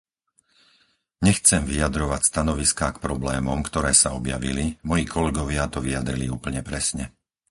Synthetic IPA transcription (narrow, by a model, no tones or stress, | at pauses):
ɲɛxt͡sɛmʋijad̪ɾɔʋacst̪anɔʋiskaːkpɾɔblɛːmɔmkt̪ɔɾɛːsaɔbja̰ʋilimɔjiːkʰɔlɛɡɔʋɪat̪ɔʋijad̪ɾiliuːpl̩ɲɛpɾɛsɲɛ